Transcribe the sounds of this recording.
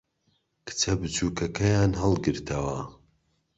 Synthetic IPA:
kʰɨ̥t͡sʰɐbɨt͡ʃʰuːkʰɐkʰɐjaːnɦɐlˠɡɨɾt̪ʰɐwɐ

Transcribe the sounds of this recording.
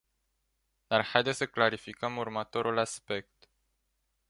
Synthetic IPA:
d̪̥arhajd̪esəklaɾifikəmurmət̪o̞ɾulaspe̞k̚t̪

